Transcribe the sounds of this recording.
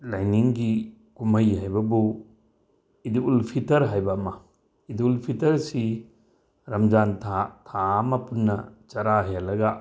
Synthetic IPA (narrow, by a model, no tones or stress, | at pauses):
lajniŋɡi | kumɐjɦajbɐbu | idiulpʰitɐɾɦajbɐmɐ | idiulpʰitɐɾsi | ɾɐmd͡ʒantʰatʰamɐpunːɐt͡ʃɐɾaɦijalɐɡa